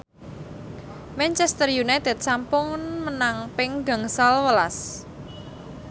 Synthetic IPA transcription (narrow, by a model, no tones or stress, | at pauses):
mɛnt͡ʃɛst̪ərjunajt̪ɛt̪̚sampʊŋmənaŋpɪŋɡa̤ŋsalwəlas